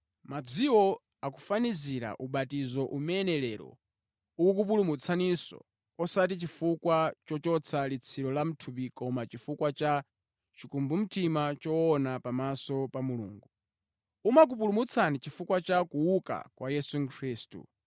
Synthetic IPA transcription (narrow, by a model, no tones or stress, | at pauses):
mad͡ziwɔ | aku̥faniziɾa̰ʔuɓatizɔʔumɛnɛlɛɾɔ̰ | uuk̬up̬ulumut͡sʰanisɔ̰ | ɔsat̬it͡ʃifukwat͡ʃɔt͡ʃɔt͡sʰalit͡sʰiɾɔlam̩tʰupikɔmat͡ʃifukwat͡ʃa | t͡ʃikumbum̩timat͡ʃɔɔnapamasɔpamulṵːŋɡu | umak̬up̬ulumut͡sʰanit͡ʃifukwat͡ʃakuuka̰kwajɛsuŋkʰɾiːstṵ